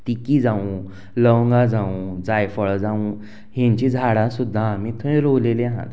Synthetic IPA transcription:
t̪ikid͡zãũ | ləwŋɡad͡zãũd͡zajfəɭd͡zãũ | ɦẽɲt͡ɕid͡zʱaɽãsud̪ʱːaːmĩt̪ʰə̃jɾowlelẽɦã̰t̪

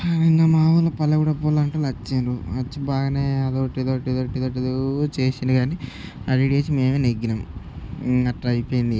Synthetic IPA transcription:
inːɐmaːʋulɐpɐlːɐɡuːɽɐpolaɳʈulɐt͡ʃːenɾuɐt͡ʃːibaːɡɐneːɐd̪oʈːid̪oʈːid̪oʈːid̪oːʈ̬id̪ut͡ʃeːsind̪iɡaːniɐɾiɽeːt͡ʃime̞ːmeneɡːinɐm | ɐʈːɐjpoːjind̪i

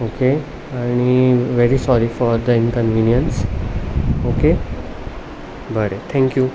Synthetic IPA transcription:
oke | añiʋeɾisɔɾifɔɾd̪əɪnkə̃nʋinjəns | oke | bəɾet̪ʰɛ̃ŋkju

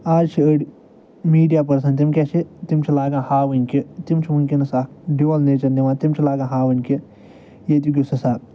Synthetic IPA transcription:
aːd͡ʒt͡ʃʰiəɽi | miːɖijaːp̬ɐɾsɐnt̪imkʲet͡ʃʰit̪imt͡ʃʰilaːɡãːhaːʋɨnʲkit̪imt͡ʃʰiʋunʲkʲinɨsaːɖiʋɐlneːt͡ʃɐnniʋaːnt̪imt͡ʃʰilaːɡãːɦaːʋɨnʲki | jet̪̬uk̬ʲisɐsaːɾ

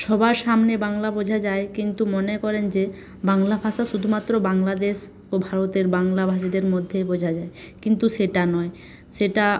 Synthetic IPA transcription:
ʃɔbaɾʃamnebaŋlabod͡ʑʱad͡ʑaekint̪umonekɔɾend͡ʑe | baŋlabʱaʃaʃud̪ʱumat̪ːɾobaŋlad̪eʃ | obʱaɾot̪eɾbaŋlabʱaʃ̬id̪eɾmod̪ʱːebod͡ʑʱad͡ʑaekint̪uʃeʈanɔe | ʃeʈa

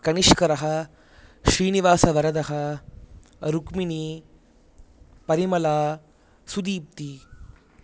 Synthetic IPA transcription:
kɐniʂkɐɾɐɦɐ̆ | ʃɾiːniʋaːsɐʋɐɾɐd̪ɐɦɐ̆ | ɾukmini | pɐɾimɐlaː | sud̪iːp̚t̪i

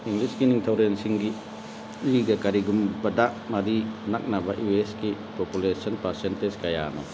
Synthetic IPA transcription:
iŋɡliskiniŋtʰawɾensiŋɡi | liɡakaɾiɡumbɐdaʔmaɾinak̚nabaʔjueski | populesɔnpaɾsenteskaja̰nɔ

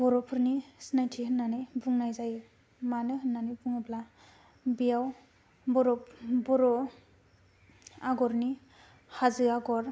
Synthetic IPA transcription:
bɔɾɔpʰɯɾnisnajtʰihɯnːanɯjbuŋnajzaj | manɯɦɯnːanɯbuŋɯbla | bijaw | bɔɾɔbɔɾɔ | aɡɔɾni | hazɯaɡɔɾ

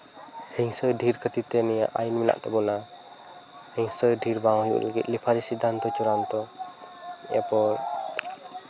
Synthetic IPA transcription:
hiŋsədiɾkət̪it̪ɛnia̰ʔa̰inmina̰ʔt̪ɔbɔna | hiŋsədiɾbaɔjṵʔlaɡḭt̪̚lipʰaɾisid̪ant̪ɔt͡ʃuɾant̪ɔ | ɛ̰pɔl

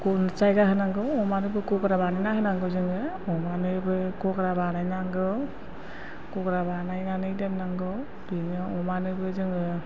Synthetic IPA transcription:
kɔnɯt͡ʃajɡaɦɯnaŋɡɯɔmanɯbɯkɔkɾabanɯjnahɯnaŋɡɯzɯŋɯ | ɔmanɯbɯkɔkɾabanajnaŋɡɯ | kɔkɾabanajnanɯjdenːaŋɡɯ | dɯŋɯɔmanɯbɯzɯŋɯ

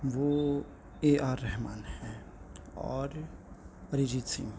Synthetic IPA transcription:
ʋo | eːʔaːɾːɛɦmaːnhɛ̃ | ɔ̰ːɾ | ɾɪd͡ʒisḭm

